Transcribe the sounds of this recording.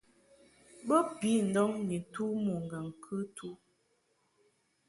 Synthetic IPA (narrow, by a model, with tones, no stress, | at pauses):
bə˦pi˨˦n̩˨dɔ˦ŋni˨tu˦mu˨ŋ˨ɡə˨ŋ˨kʰʉ˦tʰu˦